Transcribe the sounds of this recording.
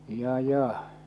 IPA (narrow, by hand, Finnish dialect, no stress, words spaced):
jɑ jɑ